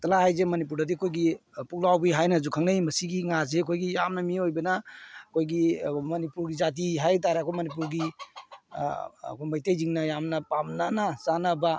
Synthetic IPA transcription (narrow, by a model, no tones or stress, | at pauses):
tɐlaɦajzemɐnip̬uɾdadikʰojɡipuklawbiɦajnazukʰaŋnajmɐsiɡiŋazekʰojɡijamnamiojbenakʰojɡimɐnipuɾɡizat̬iɦajt̬aɾekʰojmɐnip̬uɾɡi | kʰojmajtejziŋnajamnapamnanasanaba